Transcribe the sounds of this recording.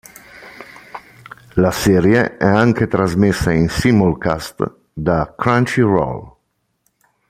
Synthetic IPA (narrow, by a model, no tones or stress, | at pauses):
lasɛːɾjeɛaŋk̟et̪ɾazmesːainsimolkast̪ | d̪akɾant͡ʃirɔ̰l